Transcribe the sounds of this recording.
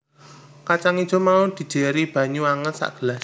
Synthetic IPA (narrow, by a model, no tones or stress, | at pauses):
kat͡ʃaŋid̥ʒ̥o̤maud̪̥i̤d̪̥e̤ɾib̥ä̤ɲuaŋənsa̰ʔɡ̥əlas